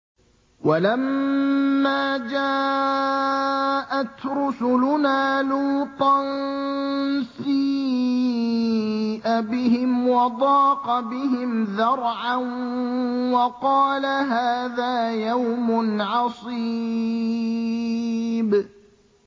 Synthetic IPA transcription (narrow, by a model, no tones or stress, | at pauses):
walamː | aːd͡ʒaː | ʔat̪ɾʊsʊlʊnaːluːt̪ˤɑn | siː | ʔabɪhɪmwɑd̪ˤɑːqɑbɪɦɪmðɑɾˤʕan | wɑqɑːlaɦaːðaːjawmʊnʕɑsˤi | b